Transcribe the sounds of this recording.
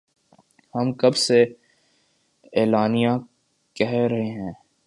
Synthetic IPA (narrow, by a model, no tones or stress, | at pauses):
hɐmkɐbse | eːlaːnijã | kɛɦɾɐɦeɦɛ̃ː